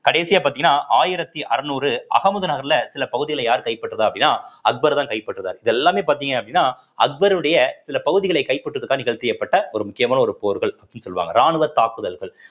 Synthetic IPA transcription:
kɐɽeːsɪjaːpaːɾt̪iːŋɡɐnːaːʔaːjɪɾɐt̪ːiʔɐɾɐnuːɾɯɐ̰ɣɐmʊðɯnɐɣɐɾlɐsɪlɐpɐɣɯðɪɣɐɭɐjaːɾkɐɪpːɐʈːrɐðɯɐpːɐɽɪnːaːɐɡ̚bɐɾt̪aːkɐɪpːɐʈːrɐðaːɾɪðɛlːaːmeːpaːɾt̪iːŋɡɐɐpːɐɽɪinːaː | ɐɡ̚bɐɾɯɽɐjɐsɪlɐpɐɣɯðɪɣɐɭɐɪkɐɪpːɐʈːɾɐðɯkːaːnɪɣɐɭt̪ɪjɐpːɐʈːɐɔɾɯmʊkːɪjɐmaːnɐɔɾɯpoːɾɯɣɐɭɐpːɐɽɪnːɯsɔlːɯʋa̰ːŋɡɐɾaːɳɯʋɐt̪ːaːkɯðɐlɣɐɭ

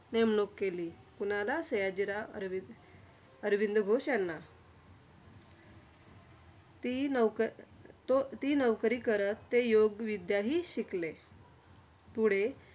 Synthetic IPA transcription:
nemnokkːeliː | punalasəjad͡ʑiɾa̰ɾʋi | əɾʋind̪əɡʱoɕjanːa | t̪i | t̪iːnəʋkɾiːkəɾət̪ːejoɡʋid̪jaɦiːɕikle | puɽ̤e

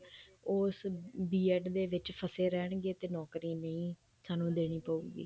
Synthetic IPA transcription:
oːsbiːɛːʈd̪eːʋɪt͡ʃpʰəseːɾɛːɳɡeːt̪eːnɔːkɾiːnəĩː | saːnũːd̪eːɽ̃iːpəːuːɡḭː

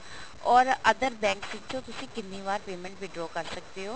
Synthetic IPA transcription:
ɔːɾəd̪əɾbɛ̃ːŋksʋɪt͡ʃːt͡ʃõːt̪ʊsĩːkɪnːiːʋaːɾpeːmə̃ɳʈʋiɖɾoːkəɾsək̚d̪eːɦoː

